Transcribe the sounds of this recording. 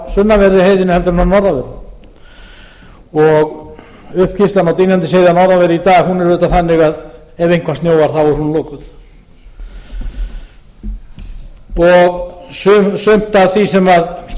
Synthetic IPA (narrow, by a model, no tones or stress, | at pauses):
sʏnːavɛɾɪɦeːjðɪnʏhɛlt̪ʏmnanɔɾðavɛɾ | ɔɣ | ʏhpcʰist̪lanawt̪̬iːnjant̪ɪsejðanɔɾðavɛɾɪit̪aːɣhunɛɾvʏt̪aθanːɪɣað | ɛvejŋkvast̪njoːwvaɾ̥θawɔɾhunloːkʏt̪ | ɔɣsʏmsʏm̥t̪avθisɛmað